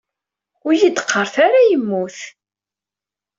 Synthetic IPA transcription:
ʊɾjəd̪ə̥qʰːəɾˤθaɾajəmːuθ

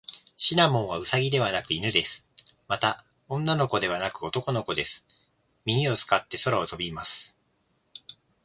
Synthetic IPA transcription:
ɕinamõ̞ɰ̃βaɯ̟saɡʲid̪e̞βanakɯ̟inɯ̟d̪e̞sɨ̥mat̪a | õ̞nːano̞ko̞d̪e̞β̞anakɯ̟o̞t̪o̞ko̞no̞ko̞d̪e̞sɨ̥ | mʲiɲ̟ʲio̞t͡sɨ̥kat̪ːe̞so̞ɾao̞t̪o̞bʲimasɨ̥

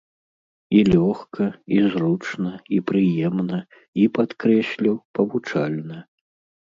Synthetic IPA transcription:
ilʲɔxkʰɐizrut͡ʂnɐipɾɨjɛmnɐ | ipat̪kɾɛsʲlʲiwpɐvut͡ʂalʲnɐ

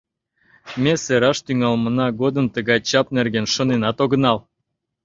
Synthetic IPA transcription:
mʲeseɾɑʃt̪yŋɑlmɤ̆nɑɡod̪ənt̪əɣɑjt͡ɕɑpnerɡenʃŏnenɑt̪oɣə̆nɑl

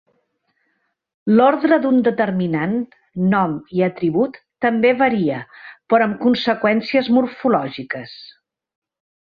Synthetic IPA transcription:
lɔɾðɾəd̪und̪ət̪ərminanː | ɔmiət̪ɾiβut̪ːəmbeβəɾiəpɾɔəmkunsəkwɛnsiəzmuɾfulɔʒikəs

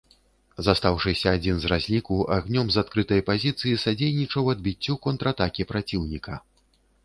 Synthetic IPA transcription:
zast̪awʂɨsʲɐːd͡zʲinzrazʲlʲikuʔaɣnʲɔmzat̪kɾɨt̪ɐjpazʲit̪sɨjisad͡zʲejnʲit͡ʂɐwɐd̪̚bʲit͡sʲːukɔnt̪ɾat̪akʲipɾat͡sʲiwnʲikʰɐ

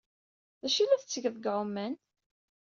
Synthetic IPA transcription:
ðæʃilæθət͡sːəʝəðəɡʕʊmːæn

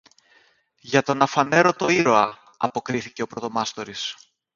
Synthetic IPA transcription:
ʝɐt̪o̞nɐfɐne̞ɾo̞t̪o̞iɾo̞ɐ | ɐpo̞kɾiθice̞o̞pɾo̞t̪o̞mɐst̪o̞ɾis

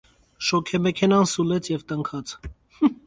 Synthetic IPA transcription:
ʃɔkʰɛmɛkʰɛnɑnsulɛt͡sʰjɛvt̪əŋkʰɑt͡s

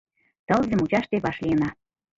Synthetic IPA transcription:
t̪ɤ̆lzʲəmut͡ɕɑʃt̪eβɑʃlʲijənɑ

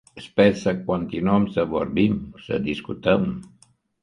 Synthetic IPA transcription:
əspɛnsəkwant̪inɔmsəβoɾβimsə̰d̪iskut̪əm

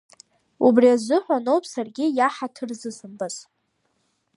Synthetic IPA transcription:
ubriazɨħʷanowpʼsarɡʲɪjaħatʰɨrzɨsɨmbaz

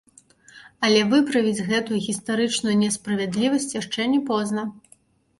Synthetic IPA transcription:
ɐlʲɛvɨpɾɐvʲid͡zʲɣɛt̪ujuɣʲist̪aɾɨt͡ʂnujunʲɛspɾɐvʲɛd̪lʲivɐsʲt͡sʲjaʂt͡ʂɛnʲɛpɔznɐ

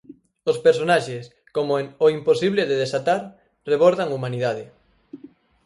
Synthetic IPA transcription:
ospeɾsonaʃes | komoɛnoimposiβleðeðesat̪aɾ | reβoɾðaŋumaniðað̞ɪ

